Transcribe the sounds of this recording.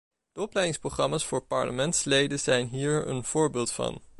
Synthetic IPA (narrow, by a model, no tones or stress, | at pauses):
d̥əɔplɛjdɪŋsproχrɑmaːsfʊːɹpɑ̰ɹlə̰mɛntslejdəzɛjnɦiːɹə̰nv̥ʊːɹbeːlˠtfɑ̰n